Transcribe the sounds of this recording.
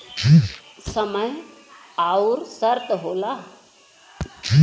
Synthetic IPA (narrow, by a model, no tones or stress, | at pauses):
kisəməjauɾsəɾt̪ɦola | i